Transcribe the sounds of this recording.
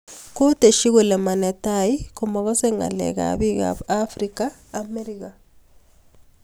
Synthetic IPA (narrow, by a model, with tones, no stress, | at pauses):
ko˦te˨ʃi˦ɣo˨lɛ˨ma˨ne˨tai˦kumɔ˨ɣɔ˦se˦ŋa̰˨lɛ̰˨ɡa̰bi˦ɡa̰bafɾikaː | me˦ɾika